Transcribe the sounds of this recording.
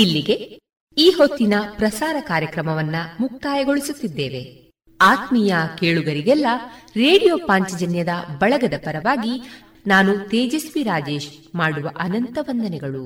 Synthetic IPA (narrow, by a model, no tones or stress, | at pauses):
ilːiɡe̞ | iːɦo̞t̪ːinɐpɾɐsaːɾɐkaːɾjɐkɾɐmɐʋɐnːɐmuk̚t̪aːjɐɡo̞ɭisut̪ːid̪ːeːʋe̞ | aːt̪mijɐkeːɭuɡɐɾiɡɛlːɐɾe̞ːɽijoːpaːɲt͡ʃɐd͡ʒɐnjɐd̪ɐbɐɭɐɡɐd̪ɐpɐɾɐʋaːɡi | naːnut̪eːd͡ʒɐsʋiɾaːd͡ʒe̞ːʃ | maːɽuʋɐʔɐnɐnt̪ɐʋɐnd̪ɐnɛɡɐɭu